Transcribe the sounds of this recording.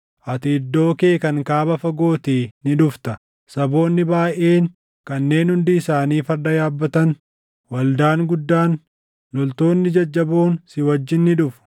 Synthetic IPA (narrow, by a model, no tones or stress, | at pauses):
ʔɐt̪ɪːd̪ːo̞ːke̞ːkɐŋkaːbɐfɐɡo̞ːt̪iːnɪᶑʊft̪ɐ | sɐbo̞ːnːɪbaːʔʔeːŋ | kɐnːe̞ːnhʊnd̪ɪɪsaːniːfɐɾd̪ɐjaːbːɐt̪ɐn | wɐld̪aːŋɡʊd̪ːaːn | lɔlt̪o̞ːnːɪd͡ʒɐd͡ʒːɐboːnsɪwɐd͡ʒːɪnːɪᶑʊfʊ̥